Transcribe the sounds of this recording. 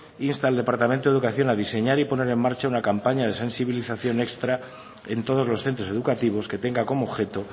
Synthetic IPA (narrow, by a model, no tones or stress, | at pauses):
inst̪aeld̪e̞paɾt̪ament̪o̞eukaθjo̞naðise̞ɲaɾipo̞ne̞ɾe̞mːaɾt͡ʃaunakampaɲað̞e̞sẽ̞nsiβiliθaθjo̞ne̞kst̪ɾa | e̞nt̪o̞ð̞o̞zlo̞sθent̪ɾo̞se̞ðukat̪iβ̞o̞ske̞t̪e̞ŋɡako̞moːβxe̞t̪o̞